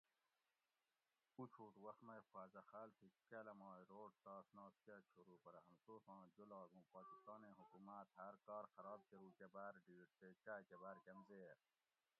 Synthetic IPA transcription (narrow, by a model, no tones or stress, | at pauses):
ut͡ʃʰuːt̪wɐxt̪mɐjxaːzaxaːlt̪ʰikalɐmɑːiɾoːɖ̚t̪ɑːsnɑːskaːt͡ʃʰuɾuːpɐɾɐɦɐmsoːfɑ̃ːd͡ʒolɑːɡũːpɑːkist̪ɑːneːɦukumat̪hɐɾkɑːɾxɐɾɑːb̚keɾuːkebaːɾɖiːʈt̪et͡ɕaːkebaːɾkɐmzeːɾ